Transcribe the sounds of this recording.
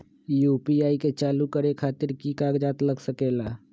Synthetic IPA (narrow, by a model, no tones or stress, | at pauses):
juːpiaːiket͡ʃaːlukəɾekʰaːt̪ɪɾkikaɡd͡ʒaːt̪ləɡsəkeːlaː